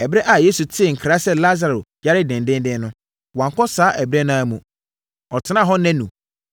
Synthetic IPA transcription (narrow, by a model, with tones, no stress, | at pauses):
ɛ˨bɾɛ˦ʔa˨jeː˦su˨tʰɪ˦˨ŋ̩˨kʰɾa˦sɛ˦la˦za˨ɾʊ˨ja˦ɾɪ˦dɪ̃˨ndɪ̃˦n˦dɪ̃˦nʊ̃˦ | wã˨ŋ˨kʰɔ˦saː˨˦ʔɛ˨bɪ˦ɾɛ˦nã˦a˦˨mũ˨ | ɔ˨tʰɪ˨˦nã˦˨ɦɔ̃˦nɛ̃˦nṵ̃˨